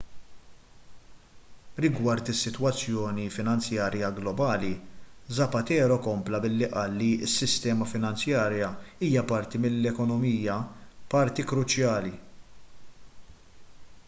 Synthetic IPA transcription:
ɾɪɡwɐɾt̪ɪsːɪt̪wɐt͡sːjɔːnifɪnɐnt͡sjɐːɾjɐɡlɔbɐːlizɐpɐt̪ɛːɾɔkɔmplɐbɪlːiʔɐːlːiɪsːɪst̪ɛːmɐfɪnɐnt͡sjɐːɾjɐiːjɐpɐɾt̪imɪlːɛkɔnɔmiːjɐpɐɾt̪ikɾʊt͡ʃjɐːli

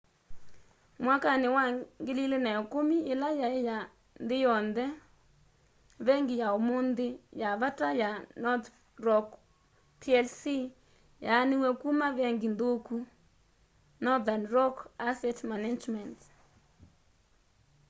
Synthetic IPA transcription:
mwakanɪwaŋɡɪlilɪnɛkʊmiɪlajaɪja | ndɪjɔndɛ | βɛŋɡɪjaomʊnd̪ɪjaβatajanɔt | rɔk | tʰiɛlsi | janɪwɛkumavɛŋɡɪndoku | nɔdanrɔkasɛtmanad͡ʒmɛnt

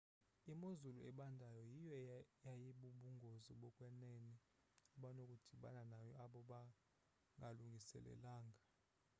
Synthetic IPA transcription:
imozuluɛɓandʱajɔjijɔjajiɓuɓuŋɡʱoziɓɔkʼwɛneni | uɓanokʼud̥ʱiɓa̰nanajɔaɓɔɓa | ŋɡʱaluŋɡʱisɛ̰lɛ̰laːŋɡʱa

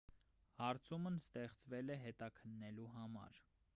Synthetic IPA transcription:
hɑɾt͡sʰumnst̪ɛχt͡svɛlɛɦɛt̪ɑkʰənːɛluɦɑmɑ̰ɾ

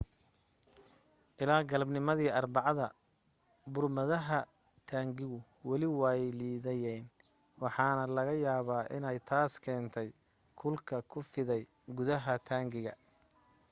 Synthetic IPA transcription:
ʔɪlaːɡɐlɐbnɪmɐðiːʔɑrbɑʕɑðɐ | bʊrmɐðɐɦɐ | t̪ʰaːŋɡɪɣʊ | wɑlɪwɑːjliːðɛjɛjn | wɑħɑːnɐlɐɣɐjaːβaːʔɪnɛjt̪ʰaːskʰɛːnt̪ʰɛj | kʰʊlkʰɐkʰʊfɪðɛj | ɡʊðɐɦɐt̪ʰaːŋɡɪɣɐ̰

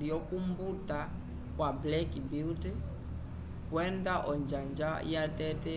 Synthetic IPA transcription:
iɔkumbuta | kwablɛkibiltɛ | kwɛndaʔɔɲd͡ʒand͡ʒajatɛtɛ

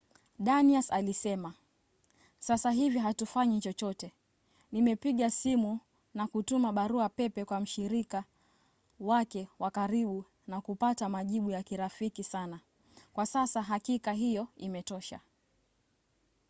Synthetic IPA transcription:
ɗaniasalisɛma | sasaɦiviɦatufaɲit͡ʃɔt͡ʃɔtɛ | nimɛpiɠasimu | nakutumaɓaɾuapɛpɛkwam̩ʃiɾika | wakɛwakaɾiɓu | nakupatamaʄiɓujakiɾafikisana | kwasasaɦakikaɦijɔimɛtɔʃa̰

